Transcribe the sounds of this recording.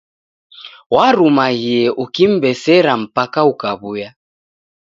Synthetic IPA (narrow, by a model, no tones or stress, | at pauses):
waɾumaɣiɛʔukim̩bɛsɛɾam̩pakaukaβuja